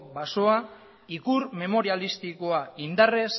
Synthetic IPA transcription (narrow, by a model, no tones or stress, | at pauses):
baso̞a | ikuɾme̞mo̞ɾialist̪iko̞aind̪are̞s